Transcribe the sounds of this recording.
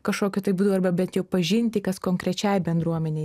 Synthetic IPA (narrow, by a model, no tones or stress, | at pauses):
kɐʃkoːkʲʊt̪ɐɪbuːd̪ɐʋɐrbɐbʲɛnt̪jɛʊpɐʒʲɪnʲt̪ʲɪkɐskoːŋkɾʲɛt͡ʃʲɛɪbʲɛnd̪ɾuɔmʲɛnʲeɪ